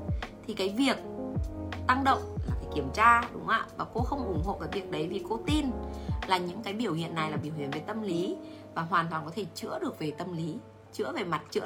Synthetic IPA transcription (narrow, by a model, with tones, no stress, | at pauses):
t̪ʰi˨˩kaː˨˦jvi˨˩ək̚ | t̪a˧ŋɗə̰˧˨wŋ͡mlaː˨˩kaː˨˦jki˧˩əmt͡ɕaː˧ɗʊ˨˦ŋ͡mʔa̰ː˧˨vaː˨˩ko˧xə˧wŋ͡mʔʊ˧˩ŋ͡mho̰˧˨kaː˨˦jvi˨˩ək̚ɗə˨˦jvi˨˩ko˧t̪i˧nlaː˨˩ɲɨ̰˧˥ŋkaː˨˦jɓi˧˩əwhḭ˧˨ənːa˨˩jlaː˨˩ɓi˧˩əwhḭ˧˨ənve˨˩t̪ə˧mli˨˦ | vaː˨˩ɦwaː˨˩t̪waː˨˩nkɔ˨˦t̪ʰe˧˩t͡ɕɨ̰˧˥əɗɨ˨˩ək̚ve˨˩t̪ə˧mli˨˦ | t͡ɕɨ̰˧˥əve˨˩ma˨˩t̚t͡ɕɨ̰˧˥